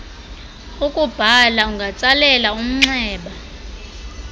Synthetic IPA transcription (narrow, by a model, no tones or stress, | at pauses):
ukʼub̥ʱalauŋɡʱat͡sʼalɛlaum̩ŋ͡ǀɛːɓa